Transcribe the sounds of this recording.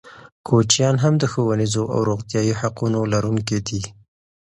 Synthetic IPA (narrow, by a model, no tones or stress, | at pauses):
kʰot͡ʃjɑnɦamd̪əxowanizoʔa̰wɾoɣt̪jɑjihaqunolaɾuŋked̪i